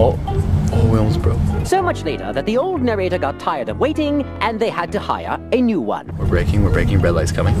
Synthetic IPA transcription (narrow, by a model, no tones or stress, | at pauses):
ɔ | wɪlˠmzbɹoʊsoʊmʌt͡ʃleɪɾə̰˞ðɨt̪̚ðioʊlˠdⁿnɛɹeɪɾə˞ɡɑtʰaɪə˞ɾʌvweɪɾɪ̃ŋɨ̃nðeɪəd̚tɨha̰ɪə̰˞ɨnjʉwʌ̰̃nwɨɹbɹeɪkɪ̃ŋwɨɹbɹeɪkɪ̃ŋɹɛdˡlaɪtskʰʌmɪ̃ŋ